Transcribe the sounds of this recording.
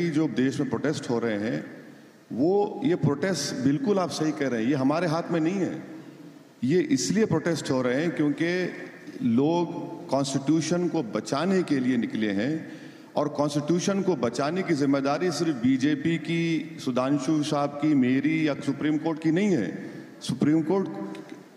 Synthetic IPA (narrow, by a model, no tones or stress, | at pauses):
id͡ʒoːd̪eːʃmẽpɾoːʈesʈɦoːɾɐɦeɦɛ̰̃ | ʋojepɾoːʈeːsʈbɪlkʊlaːpsɐɦikɛɦɾɐɦɛ̃jeɦɐmaːɾeɦaːt̪ʰmẽnɐɦĩɦɛ̰ː | jeʔɪsliepɾoːʈeːsʈɦoːɾɐɦeɦɛ̃kjõːke | loːɡkɔ̃ːnsʈɪʈjuːʃənkobɐt͡ʃaːnekelienɪkleɦɛ̃ | ɔːɾkɔ̃ːnsʈɪʈjuːʃənkobɐt͡ʃaːnekizɪmːed̪aːɾisɪɾfbiːd͡ʒeːpikisʊd̪ʱãːnʃuʃaːb̚kimeːɾijasʊpɾiːmkoːɾʈkinɐɦĩɦɛ̰̃ː | sʊpɾiːmkoːɾʈ